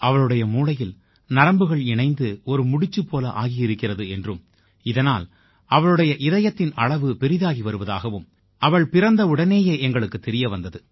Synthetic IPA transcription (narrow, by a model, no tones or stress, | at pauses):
ɐʋɐɭɯɽɐjɐmuːɭɐjɪl | nɐɾɐmbɯɣɐɭɪɳɐɪnd̪ɯɔɾɯmʊɽɪt͡ʃːɯpːoːlɐʔaːɣɪjɪɾɯkːɪrɐðɯɛndrɯm | ɪðɐnaːl | ʔɐʋɐɭɯɽɐjɐʔɪðɐjɐt̪ːɪnɐɭɐʋɯpɛɾɪðaːɣiʋɐɾɯʋɐða̰ːɣɐʋɯm | ɐʋɐɭpɪɾɐnd̪ɐʊɽɐneːjeːʔɛŋɡɐɭɯkːɯt̪ːɛɾɪjɐʋɐnd̪ɐðɯ